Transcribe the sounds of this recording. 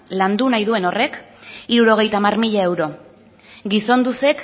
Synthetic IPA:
land̪unajðue̞no̞re̞kiɾuɾo̞ɣ̞e̞jt̪aːmarmiʎae̞wɾo̞ | ɡiso̞nd̪use̞k

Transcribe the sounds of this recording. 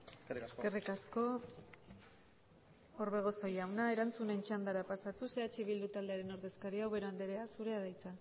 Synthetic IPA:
eske̞rikasko̞ | oɾβe̞ɣ̞o̞so̞jawnae̞ɾant͡sune̞nt͡ʃand̪aɾapasat̪use̞at͡ʃiβild̪ut̪ald̪e̞aɾe̞no̞ɾðe̞skaɾiawβe̞ɾoand̪eɾeasuɾe̞að̞ajt͡sa

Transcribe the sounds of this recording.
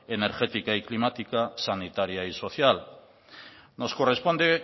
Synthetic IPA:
ene̞ɾxe̞t̪ikaiklimat̪ikasanit̪aɾjaiso̞θjal | no̞sko̞re̞spo̞nd̪e

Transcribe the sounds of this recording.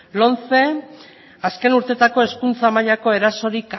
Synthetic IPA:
lo̞nt͡se̞ | aske̞nuɾt̪e̞t̪ako̞e̞skunt͡samaʎako̞e̞ɾaso̞ɾik

